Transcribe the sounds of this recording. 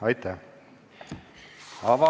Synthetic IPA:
ɑjt̪ːæ | ɑvɑ

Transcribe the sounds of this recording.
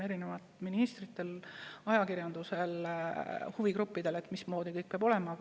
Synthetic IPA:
e̞ɾinevɑt̪ˑminist̪rit̪ːˑe̞lɑjɑkiɾjɑnd̪̥use̞l | huvikɾupːid̪e̞let̪ːmismo̞ːd̪̥ikɤjk̚peɑbo̞le̞mɑ

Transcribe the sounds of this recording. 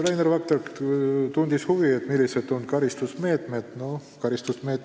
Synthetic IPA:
ɾejnervɑk̚t̪erkt̪und̪̥ishuviet̪milːised̪̥onkɑɾist̪usme̞ːt̪med̪̥nokɑɾist̪usme̞ːt̪ː

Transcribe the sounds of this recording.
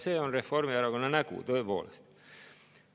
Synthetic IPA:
seonreformiɑɾokonɑnɑkṵːt̪oipuo̰lest̪

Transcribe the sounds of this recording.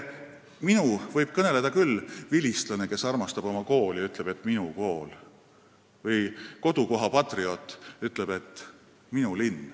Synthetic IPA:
minuvɤjb̥̚kɤne̞led̪ɑkylːvilʲist̪lɑne̞ke̞sɑrmɑst̪ɑb̥o̞mɑko̞ːljɑyt̪ˑle̞b̥e̞t̪ːˑminuko̞ːl | vɤjko̞d̪̥uko̞ɦɑpɑt̪rio̞t̪ːˑyt̪ˑle̞b̥e̞t̪ː | minulinː

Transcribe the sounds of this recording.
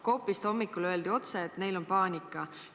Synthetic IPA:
kowpːˑist̪omːikːulø̞eld̪io̞t̪seːt̪ne̞jlo̞npɑːnʲikːˑɑ

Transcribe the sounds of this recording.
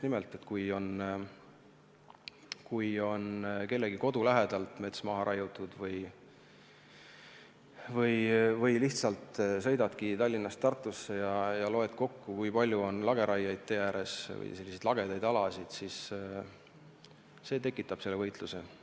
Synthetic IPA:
nimelt̪ːˑe̞t̪kujo̞n | kujo̞nke̞lːeɡ̥iko̞d̪ulæɦed̪̥ɑlt̪me̞t̪smɑɦɑɾʔɑjut̪ˑːud̪̥vɤj | vɤjvɤjliht̪sɑlt̪sɤ̞jd̪ɑd̪̥kit̪ɑlʲːinːɑst̪ɑrt̪ˑːusːe̞jɑjɑlo̞e̞t̪ko̞kːukujpɑlʲjuo̞nlɑɡe̞ɾʔɑjːɑjd̪̚t̪ejæːɾe̞svɤ̰jse̞lːisejd̪lɑɡ̥e̞d̪ɑjd̪ɑlɑsid̪̥sis | se̞ːt̪e̞kːˑit̪ːˑɑb̥se̞lːevɤjt̪luse̞

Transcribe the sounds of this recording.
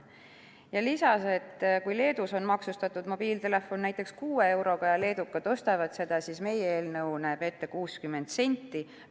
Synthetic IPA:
jɑlisɑse̞t̪ːkujle̞ːd̪uso̞nmɑksust̪ɑt̪ːˑud̪mo̞b̥iːlt̪e̞le̞fo̞nnæjt̪ːˑe̞kskuːee̞wɾo̞ɡ̥ɑjɑle̞ːd̪ukːˑɑt̪o̞st̪ɑvɑd̪se̞d̪̥ɑsiːsme̞jeeːlnɤwnæːbe̞t̪ːe̞kuːskymːe̞nd̪se̞nʲt̪ːi

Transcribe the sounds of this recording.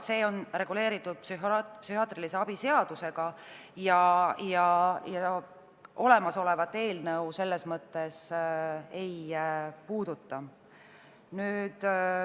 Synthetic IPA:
se̞ːo̞nre̞ɡ̥ule̞ːɾit̪ːˑud̪̥̚psyɦpsyhɑt̪rilise̞ɑb̥ise̞ɑd̪̥use̞ɡ̥ɑ | jɑjɑjɑ | ʔo̞le̞mɑso̞le̞vɑt̪ːˑe̞ːlnɤuwse̞lːe̞smɤt̪ːˑe̞s | e̞jpuːd̪̥ut̪ːɑ | nyːd̪̥

